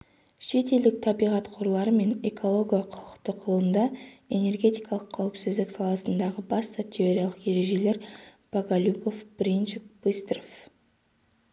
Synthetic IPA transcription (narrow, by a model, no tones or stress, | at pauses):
ʃe̞t̪e̞ld̪ɪk̚t̪ʰɑbijʁɑt̪qʰoɾlˠɑɾəme̞ne̞kʰo̞lˠo̞ɡʲijɑqʰʊʁəqt̪əqʰʊlˠənd̪ɑe̞ne̞rɡʲe̞t̪ijkɑlˠəqʰːɑwɪpsɪzd̪ɪksɑlˠɑsənd̪ɑʁəbɑst̪ɑt̪ʲʰe̞o̞ɾʲijɑlˠəqje̞ɾe̞ʒe̞le̞ɾb̥aɡalʲupo̞fb̥ɾinʒɪkbɨst̪rof